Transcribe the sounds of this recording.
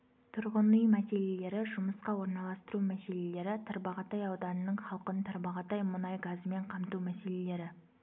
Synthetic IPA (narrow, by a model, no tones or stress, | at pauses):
t̪ʰʊɾʁənujmæse̞le̞le̞ɾɪʒʊməsqɑwo̞ɾnɑlˠɑst̪əɾumæse̞le̞le̞ɾɪt̪ʰəɾbɑʁɑt̪ɑjɑwd̪ɑnənːəɴχɑlˠqənt̪ʰəɾbɑʁɑt̪ɑjmʊnɑjɡɑzme̞ɴqʰɑmt̪umæse̞le̞le̞ɾɪ